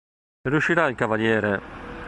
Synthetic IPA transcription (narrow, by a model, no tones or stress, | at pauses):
ɾjuʃiɾailkavaljɛːɾe